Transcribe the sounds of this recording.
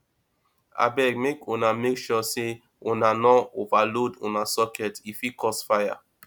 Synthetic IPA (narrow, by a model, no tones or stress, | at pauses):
a̰bɛɡ̚mekũnamekʃɔse | ũnanɔovalodṵ̃nasɔkʰɛtifikɔsfaja̰